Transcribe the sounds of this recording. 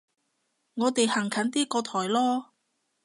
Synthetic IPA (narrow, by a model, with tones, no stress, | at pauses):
ŋɔː˨˧t̪e˨jhɐ˨˩ŋkʰɐ˨˥nt̪iː˥kɔː˧t̪ʰɔː˨˩jlɔː˥